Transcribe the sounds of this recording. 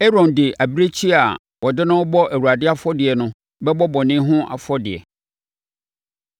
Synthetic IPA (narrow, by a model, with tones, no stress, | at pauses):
ɛ˦ɾɔ̃˨ndɪ˨ʔa˨bi˦ɾe˦t͡ɕʰi˦a˨ | wɔ˨dɪ˦nʊ̃˦wɔ˦bɔ˦ʔæ˨wu˨ɾa˨dɪ˦a˦fɔ˦dɪ˨ɛ˨nʊ̃˦ | bɛ˦bɔ˦bɔ˨nɪ̃˦ɦʊ̃˦ʔa̰˨fɔ˦dɪ˨ɛ̰˨